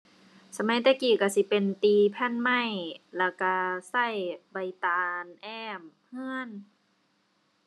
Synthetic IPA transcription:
sa˧ma˧˥˦jt̪ɛː˧˩kiː˧˩ka˧˩si˧˦pe˨nt̪iː˧pʰɛ˧˥˨nma˧˥˩jla˧˩ka˧˩sa˧˥˩jba˧˩jt̪aː˧nʔɛː˧˩m | hɯ˧˥˨ən

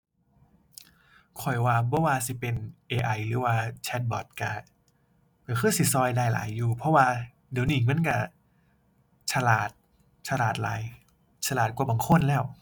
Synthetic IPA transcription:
kʰɔ˨˩jwaː˧bɔː˧˦waː˧si˨˧˦pe˧nʔeː˧ʔa˧jɾɯː˨˦waː˧t͡ɕʰɛ˧˥t̪̚bɔː˨˩t̪̚ka˧˩ | lɯː˨˧˦kʰɯː˧˥˩si˧˩˦sɔː˧jdaː˧˩jla̰ː˩˦jːuː˧˩pʰɔ˧˥waː˧ | diː˨˦niː˧˩k̚ma˧˥˨nka˧˩ | t͡ɕʰa˧laː˨˩t̪̚ | t͡ɕʰa˧laː˨˩t̪̚la̰ː˨˩˦j | t͡ɕʰa˧laː˨˩t̪̚kwaː˧˩baː˨˩˦ŋkʰo˧˥˨nlɛː˧˥˩w

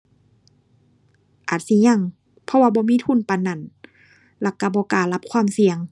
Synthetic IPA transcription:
ʔaː˨˩t̪̚si˧˦ɲa˧˨ŋ | pʰɔ˧waː˧bɔː˧˦miː˧˥˨t̪ʰu˧˥˨npa˨nːa˨˩n | la˧˩ka˧˩bɔː˧˦kaː˨˩la˧˥p̚kʰwaː˧˥˨msi˨˧əŋ

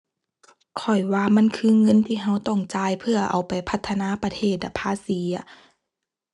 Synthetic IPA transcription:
kʰɔ˨˩jwaː˧ma˧˥˨nkʰɯː˧˥ŋɤ˧˥˨nt̪ʰiː˧˨ɦa˧˥˨wt̪ɔ˧˩ŋt͡ɕaː˧jpʰɯ˧ɐʔa̰˨˩wpa˨jpʰa˧˦t̪ʰːa˧naː˧˥˨pa˧t̪ʰeː˧˩t̪̚la˧˩pʰaː˧˥˨siː˨˦ɐ˦

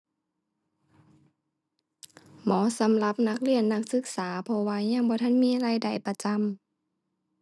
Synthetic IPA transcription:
mɔː˨˦sa˨˦mla˧p̚na˧˥k̚li˧˩ənːa˧˥k̚sɯ˧˦k̚saː˩˦pʰɔ˧waː˧ɲaː˧˥˨ŋbɔː˧˦t̪ʰa˧˥˨nmiː˧˥˨ʔa˧ɾa˧˩˨jda˨˩jpa˧t͡ɕa˧˥˨m

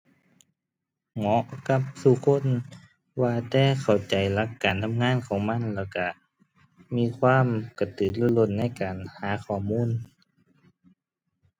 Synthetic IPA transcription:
ŋɔ˨˦ʔka˧˥p̚t̪ʰu˧˩kʰo˧˥˨n | waː˧t̪ɛː˧˩˨kʰa˨˩wt͡ɕa˨˩jla˧˥kːaː˨˩nt̪ʰa˧˥˨mŋaː˧˥˨nkʰɔː˨˦ŋma˧˥˨nlɛː˧˩wka˧˩ | miː˧˥˨kʰwaː˧˥˨mka˨˧˩t̪ɯː˨˩nlu˧˩˨lo˧˩˨nːa˧˥˨jkaː˨˩nhaː˨˦xɔː˧˩muː˧˥˨n

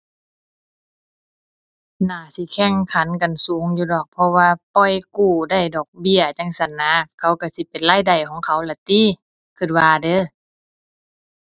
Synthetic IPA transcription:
naː˧˩si˧˦kʰɛ˧˥˩ŋkʰa˨˦nka˨nsuː˨˦ŋjuː˧˦dɔː˧˩k̚pʰɔ˧waː˧pɔ˧˩jkuː˧˩da˧˩˨jdɔː˨˩k̚bi˧˩˨ət͡ɕa˧˥ŋsa˧˩nːaː˧˥kʰa˧˦wka˧˩si˧˦pe˨nlaː˧˥˨jda˨˩jkʰɔː˨˦ŋkʰa˧˦wlɛ˧˩t̪iː˧˥˨ | kʰɯ˧˩t̪̚waː˧dɤː˧˥˨

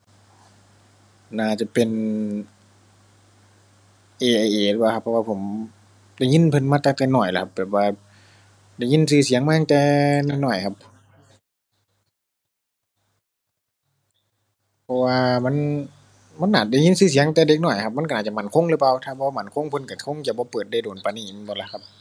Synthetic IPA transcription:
naː˧˩t͡ɕa˧˩pe˨n | ʔeː˨˩ʔa˨˧˩jʔeː˨˩lpa˧˩ka˧pʰːɔ˧waː˧pʰo˨˩˦m | da˧˩˨jŋi˧˥˨npʰɤ˧˨nmaː˧t̪a˧ŋt̪ɛː˧˨nɔː˨˩jla̰˧˦kʰa˧p̚bɛː˨˩p̚waː˧ | da˧˩˨jɲi˧˥˨nsɯː˧˩si˨˦əŋmaː˧ja˧ŋt̪ɛː˧naː˧˩nɔː˨˩jkʰa˧p̚ | pʰɔ˧waː˧ma˧˥˨n | ma˧˥˨nːʔaː˨˩t̪̚da˧˩jɲi˧˥˨nsɯː˧˩s̬i˨˦ŋt̪ɛː˧de˧˦k̚nɔː˧˨˩jkʰa˧p̚ma˧˥˨nkaː˧˨˩t͡ɕa˧˨ma˧˨nkʰo˧˥˨ŋlɯː˧˦paː˧wt̪ʰaː˧bɔː˧˦ma˧˩˨nkʰo˧˥˨ŋpʰɤ˧˨nka˧˩kʰo˧˥˨ŋt͡ɕa˧˩bɔː˧˦pɤː˨˩t̪̚da˧˩jdoː˨˩npa˨na˧˨i˧˨n˧˨bɔ˧la˧˥kʰa˧p̚

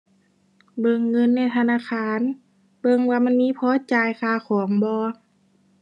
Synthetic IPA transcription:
bɤ˧˨ŋːɤ˧˥˨nːa˧˩˨t̪ʰa˧˨naː˧˥˨xʰaː˧˨n | bɤ˧˨ŋwaː˧ma˧˥˨nmiː˧˥˨pʰɔː˧˦˨t͡ɕaː˨˧jxaː˧˩kʰɔː˩˦ŋbɔː˧˦

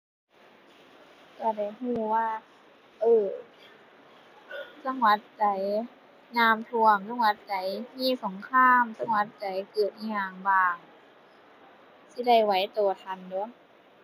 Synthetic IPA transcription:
ka˧˩da˧˩jhuː˧˩waː˧˥˩ | ʔɤː˧˩ | sa˧˥ŋwa˧˥t̪̚t͡ɕa˨˦j | naː˧˥˩mt̪ʰu˧əmsa˧˨ŋwa˧˦˥t̪̚t͡ɕa˨˦jmiː˧˥˩so˨˦ŋkʰaː˧˥˨msa˧ŋwa˧˦t̪̚t͡ɕa˨˦jkɤː˨˩t̪̚ʔa˧˩haː˨˩ŋbaː˧˩ŋ | si˧˦da˧˩jwa˨˦jt̪uː˨˩t̪ʰa˧ndu˧˦

